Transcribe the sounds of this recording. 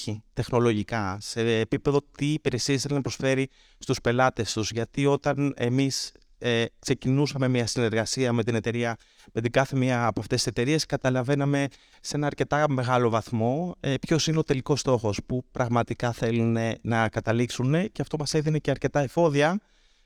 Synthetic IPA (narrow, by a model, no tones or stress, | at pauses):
it̪e̞xno̞lo̞ʝikɐse̞ːpipe̞ðo̞t̪iːpeɾesisnɐpɾo̞sfe̞ɾi | st̪uspe̞lɐt̪e̞st̪uzʝɐt̪io̞t̪ɐne̞̰mis | ekse̞cinusɐme̞miɐsine̞ɾɣɐsiɐme̞t̪ine̞t̪e̞ɾiɐ | met̪iɡɐθe̞miɐːpoɐft̪esise̞t̪e̞ɾie̞skɐt̪ɐlɐve̞nɐme̞ | se̞nɐːɾce̞t̪ɐme̞ɣɐlo̞vɐθmo̞epço̞sineot̪e̞liko̞st̪o̞xo̞spupɾɐɣmɐt̪ikɐθe̞lune̞nɐkɐt̪ɐliksune̞ceɐft̪o̞mɐse̞ðine̞ceɐɾce̞t̪ɐefo̞ðiɐ